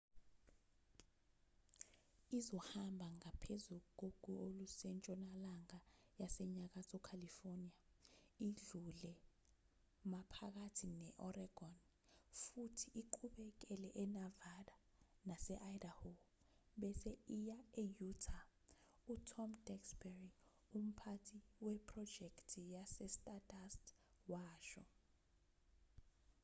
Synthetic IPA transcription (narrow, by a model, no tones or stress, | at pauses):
izɔhambʱaŋapʰezuuk̬oɡ̥ʱuolusɛnt͡ʃʼɔnalaŋajasɛɲak̬asɔkʰalifoniaiɮulɛ | mapʰak̬atʰinɛʔɔrɛɡ̥ʱɔn | futʰiʔiǃʰuɓɛk̬ɛlɛʔɛnavaɗa | nasɛʔajdaho | ɓɛsɛijaejutʰa | utʰɔmd̥ɛksbɛri | um̩pʰatʰiwɛpʰʼrɔd̥d͡ʒ̥ʱɛktʰijasɛstʼadastwaːʃɔ